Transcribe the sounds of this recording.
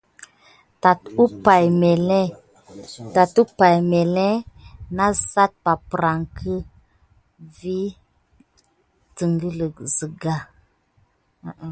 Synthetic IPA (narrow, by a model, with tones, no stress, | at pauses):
ta˨tu˦pa˨jmɛ˨lɛ˦ | ta˨tu˦pa˨jme˨lɛ˦na˦sa˦t̚pa˨pɾa˨ŋkʰə˦ | vi˦ | tə˨ŋɡə˦lə˨zə˨ɡa˦˨